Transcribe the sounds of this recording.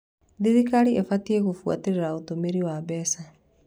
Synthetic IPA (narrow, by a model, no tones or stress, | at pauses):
ðiðikaɾiʔefatieɣofwa̰teɾeɾaotomeɾiwaβɛsa